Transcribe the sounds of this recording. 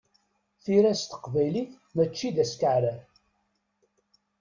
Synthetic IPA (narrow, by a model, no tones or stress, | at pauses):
θiɾæst̪ə̥qvæjliθ | mæt͡ʃːid̪æskəʕɾæ